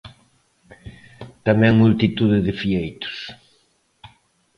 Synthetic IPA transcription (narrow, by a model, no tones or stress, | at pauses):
t̪amɛ̃ŋmult̪it̪uðɪðɪfiejt̪ʊ̥s